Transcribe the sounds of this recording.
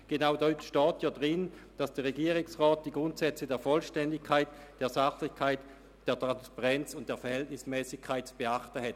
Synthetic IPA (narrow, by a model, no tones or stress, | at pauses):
ɡ̥enaʊdɔtʃtɔːtʰjɑːdʁɪnd̥asd̥eːɐʁeɡiːʁɪŋsʁaːt̚d̥iːɡʁʊntsɛt͡sədeːɐfɔlʃtɛndɪkʰaɪtd̥eːɐzaχlɪçkʰaɪt | d̥eːɐtʁ̥anspaʁɛnt͡sʊnt̚d̥eːɐfɛɐhɛltnɪsmɛːsɪçkʰːaɪt̚t͡sub̥eaχtəhɛt